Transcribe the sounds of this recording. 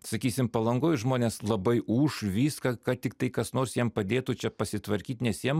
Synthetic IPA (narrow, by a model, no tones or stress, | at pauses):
sɐkʲiːsʲɪmpɐlˠɐŋɡoːjʒmoːnʲeːslˠɐbɐɪʔuːʃʋʲiːskɐkɑt̪ʲɪkt̪ɐɪkɐsnoːrsjiɛmpɐd̪ʲeːt̪ut͡ʃʲɛpɐsʲɪt̪ʋɐɾʲkʲiːt̪ʲnʲɛsjiɛm